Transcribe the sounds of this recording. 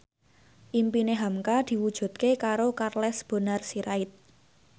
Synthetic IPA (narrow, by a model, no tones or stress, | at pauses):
ʔimpineɦamkad̪̥i̤wud̥ʒ̥ṳt̪̚kekaɾokarlɛsb̥o̤narsiɾaɪt̪̚